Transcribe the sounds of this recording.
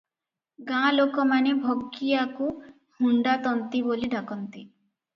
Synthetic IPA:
ɡãlokɔmanebʱoɡijaku | huɳɖat̪ɔnt̪iboliɖakɔnt̪i

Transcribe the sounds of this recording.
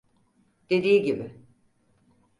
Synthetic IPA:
d̪̥e̞d̪iːɟibɪ

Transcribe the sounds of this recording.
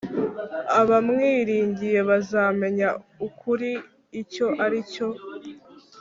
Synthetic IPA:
aβamŋiːɾiːɲɟije̞βazaːme̞ɲaukʰuɾiː | co̞ʔaɾico̞

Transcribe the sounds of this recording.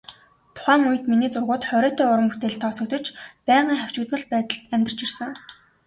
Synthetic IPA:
t̪ʰʊ̥χæːŋuj̆t̪miniːt͡sʊrɣʊːt̪χœɾœːt̪ʰæːʊɾə̆mput̪eːɮt̪ʰɔːsɵ̆k̚t̪ə̆t͡ɕpæːɴɢiːŋχæw̥t͡ɕuːt̪mə̆ɮ̚pæːt̪ə̆ɬt̪æmʲt̪̆r̥t͡ɕirsə̆ŋ

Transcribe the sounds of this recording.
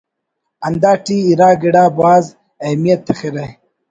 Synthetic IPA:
ɐnd̪aːʈiːɾaːɡiɽaːbaːz | ɐmijɐt̪ʰːexiɾɐj

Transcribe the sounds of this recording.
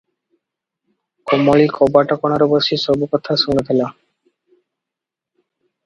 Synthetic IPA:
kɔmɔɭikʰɔbaʈɔkɔɽ̃aɾɔboʃisɔbukɔt̪ʰaʃunep̪ʰela

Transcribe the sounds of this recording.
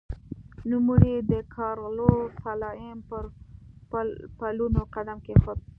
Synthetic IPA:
numuɾid̪əkʰɑɾlosalɑɪmpəɾ | palunoqad̪amkexʊ

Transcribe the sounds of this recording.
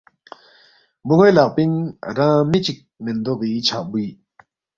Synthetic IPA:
buŋelaʔpiŋɾaŋmit͡ɕik̚mind̪ɔʔpit͡ɕʰaʔbu

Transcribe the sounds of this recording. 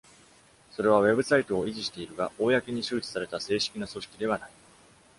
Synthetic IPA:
so̞ɾe̞β̞aβe̞bɯ̟sait̪o̞ːiʑiɕi̥t̪e̞iɾɯ̟ɡao̞ːjakeɲ̟iɕɨːt͡ɕi̥saɾe̞t̪ase̞ːɕi̥kʲinaso̞ɕi̥kʲid̪e̞β̞anai

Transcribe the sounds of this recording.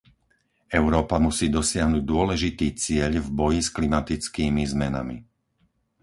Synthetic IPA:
ɛʊɾɔːpamusiːd̪ɔsɪaɦnuɟ̚d̪ʊɔlɛʒit̪iːt͡sɪɛʎvbɔjisklimat̪it͡skiːmizmɛna̰mḭ

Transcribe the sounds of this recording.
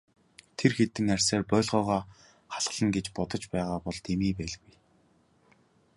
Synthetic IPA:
t̪ʰerxet̪ɘ̆ŋær̥ʲsæːrpœːɮʁɔːʁaː | χaɮʁə̆ɮə̆ŋɡet͡ɕpɔt̪ɞ̆t͡ɕpæːʁaːpɔɮt̪emiːpæːɮɣuj

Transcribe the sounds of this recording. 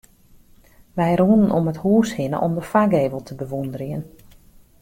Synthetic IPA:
ʋɛjɾuːnənʔɔməthuːshɪnə̰ʔɔmdəfaɡeːvəlˠtʰəbəʋundəriən

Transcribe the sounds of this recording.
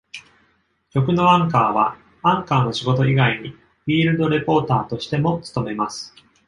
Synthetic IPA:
t͡ɕo̞k̬ɯ̟no̞ãŋkaːβa | ãŋkaːno̞ɕiɡo̞t̪o̞iɡaiɲ̟i | ɸʲiːɾɯ̟d̪o̞ɾe̞po̞ːt̪aːt̪o̞ɕi̥t̪e̞mo̞t͡sɨ̥t̪o̞me̞masɨ̥

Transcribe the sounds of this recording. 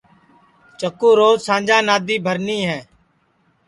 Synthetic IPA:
t͡ʃəkːũːɾoːzsãːnd͡ʒãːnaːd̪iːbʱəɾniːɦɛ̃ː

